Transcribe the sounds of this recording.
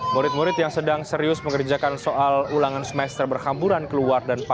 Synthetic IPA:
muɾɪt̪̚muɾɪt̪jaŋsədaŋsəɾiʊsməŋərd͡ʒakansoʔalulaŋansəmɛst̪ərbərhambuɾankəluardanpa

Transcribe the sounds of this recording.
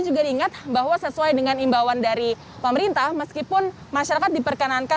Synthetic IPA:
d͡ʒuɡadiiŋat̪̚baɦwasəsuajdəŋanimbawandaɾi | pəməɾint̪ahməskipʊn | maʃaɾakat̪̚dipərkənanka

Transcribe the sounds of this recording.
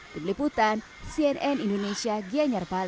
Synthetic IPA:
d̪umliput̪an | siɛnɛnindonesiaɡiaɲarpal

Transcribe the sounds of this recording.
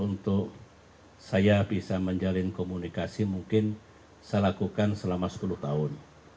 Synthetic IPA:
unt̪ʊk | sajabisaməɲd͡ʒalɪnkomunikasimuŋkɪn | salakukansəlamasə̥pulut̪aʊn

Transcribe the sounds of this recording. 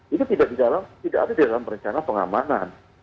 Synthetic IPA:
it̪ut̪idaʔdidalamt̪idaʔa̰dadidalampəɾəɲt͡ʃanapəŋa̰manan

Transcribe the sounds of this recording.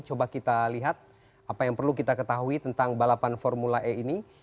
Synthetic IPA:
t͡ʃobakit̪aliɦat̪̚ | apajaŋpərlukit̪akət̪aɦuit̪ənt̪aŋbalapanfɔrmulaʔɛini

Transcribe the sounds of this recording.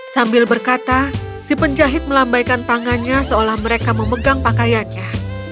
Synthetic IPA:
sambɪlbərkat̪asipənd͡ʒaɦɪt̪̚məlambajkant̪aŋanɲasəolahməɾekaməməɡaŋpakajanɲa

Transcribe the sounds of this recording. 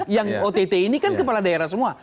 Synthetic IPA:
jaŋot̪et̪einikankəpaladaeɾahs̬əmua

